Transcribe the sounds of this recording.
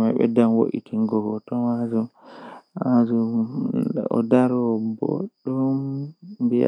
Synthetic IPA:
majɓɛ̰danwo̰ʔḭtiŋɡɔɡɔtɔmazumʔazu | ɔ̰daɾɔbo̰ɗumbia̰

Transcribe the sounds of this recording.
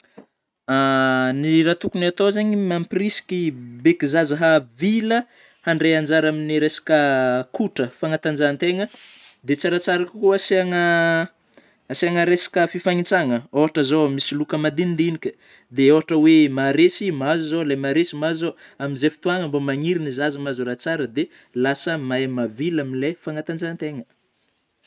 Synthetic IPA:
aniɾat̪ukunat̪ozaɲimamprisi̥kʲibekizazaɦavilə | haɳɖ͡ʐeand͡ʒaɾaminiɾesḁkʲəkuʈ͡ʂəfaŋat̪and͡ʒant̪eŋə | d̪et͡saɾat͡saɾakkuasaŋə | asiaŋəɾesḁkʲəfifaŋit͡saŋəoɦaʈ͡ʂəzomisilukəmad̪ind̪inikʲə̥ | d̪eoɦaʈ͡ʂəwemaɾesimazuzolamaɾesimazoaminzefi̥t̪uaŋəmbamaŋiɾinizazimazuɾat͡saɾəd̪e | lasəmamavilamilefaŋat̪and͡ʒant̪eŋə

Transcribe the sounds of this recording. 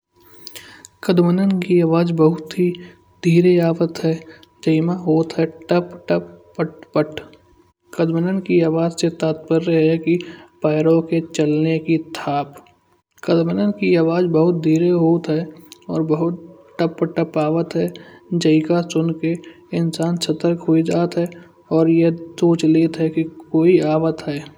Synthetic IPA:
kəd̪mənənkiaːʋaːd͡ʒbəɦʊt̪ɦi | d̪ʱiːɾeaːʋət̪ɦɛː | d͡ʒəɪmaɦoːt̪ɦɛːʈəpʈəppəʈpəʈʰ | kəd̪mənənkiaːʋaːd͡ʒset̪aːt̪pəɾːəɦɛkipaːɪɾõket͡ʃəlnekit̪ʰaːp | kəd̪mənənkiaːʋaːd͡ʒbəɦʊt̪̚d̪ʱiːɾeɦoːt̪ɦɛːɔ̰ːɾbəɦʊt̪ | ʈəpːəʈəpaːʋət̪ɦɛːd͡ʒəɪkasʊnke | ɪnsaːnsət̪əɾkɦoid͡ʒaːt̪ɦɛː | ɔːɾjesoːt͡ʃleːt̪ɦɛkikoːiaːʋət̪ɦɛː

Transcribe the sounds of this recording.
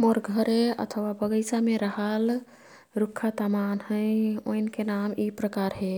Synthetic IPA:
mɔɾɡʱəɾeə̰t̪ʰəwabəɡəjsameɾəɦəl | ɾukʰːat̪amanɦə̃jo̰jnkenamipɾəkaɾɦe

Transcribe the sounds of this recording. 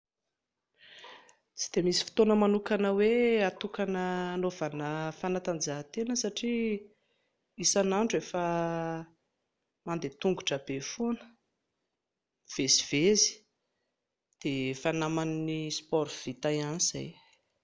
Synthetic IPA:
t͡si̥d̪̥emisi̥fi̥t̪onəmanukanəweat̪ukanənovanəfanat̪and͡ʒaɦt̪enəsaʈ͡ʂi | isanaɳʈ͡ʂuefə | mand̪et̪uŋɡuʈ͡ʂabefunə̥ | v̥eziv̥ezi̥ | d̪̥efanamannispɔɾv̥it̪ajaniz̥a̰j

